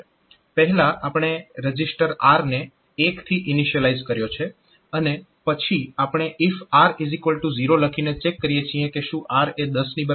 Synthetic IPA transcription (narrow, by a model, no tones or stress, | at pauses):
pəɦɛlaʔapɽ̃eɾəd͡ʒisʈəɾaɾneː | kt̪ʰiʔɪniʃəlaid͡ʒkəɾjot͡ʃʰe | əne | pət͡ʃʰiapɽ̃eʔifaɾizikʋəlʈuziɾoləkʰinet͡ʃekːəɾijet͡ʃʰiẽkeʃũʔaɾed̪əsnibə